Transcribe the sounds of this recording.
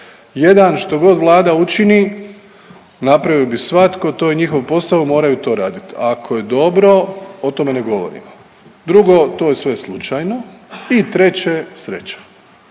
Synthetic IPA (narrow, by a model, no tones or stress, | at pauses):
je̞d̪anʃt̪o̞ɡo̞d̪ʋlˠaːd̪aut͡ʃini | napɾaʋiobisʋat̪ko̞t̪ojeɲixo̞ʋpo̞st̪aʋumo̞ːɾajut̪o̞ːɾaːd̪it̪akʰoje̞d̪o̞bɾo̞ot̪o̞me̞ne̞ɡo̞ʋo̰ɾḭmo | d̪ɾuɡo̞t̪ojesʋe̞slˠut͡ʃajno̞it̪ɾe̞t͡ɕesɾe̞̰t͡ɕḁ